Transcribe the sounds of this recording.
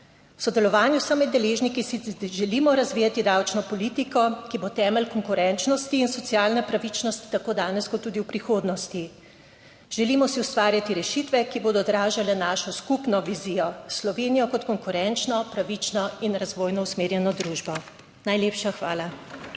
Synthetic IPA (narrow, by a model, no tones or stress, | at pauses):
wsɔd̪ɛlɔʋaːnjusamɛd̪ːɛleːʒnikisiʒɛliːmɔɾazʋiːjat̪id̪awt͡ʃnɔpɔliːt̪ikɔkibot̪ɛːmɛlkɔŋkuɾɛnt͡ʃnɔst̪iːnsɔt̪sijaːlnɛpɾaʋit͡ʃnɔst̪i̥t̪akoːd̪aːnɛskɔt̪ːuːd̪iwpɾixoːd̪nɔst̪i | ʒ̥ɛliːmɔsiwst̪ʋaːɾjat̪iɾɛʃit̪ʋɛkiboːd̪ɔd̪ɾaːʒalɛnaːʃɔskupnɔʋizijɔslɔʋeːnijɔkɔt̪kɔŋkuɾɛnt͡ʃnɔpɾaʋit͡ʃnɔinɾazʋoːjnɔusmeːɾjɛnɔd̪ɾuːʒbɔ | najleːpʃaxʋaːla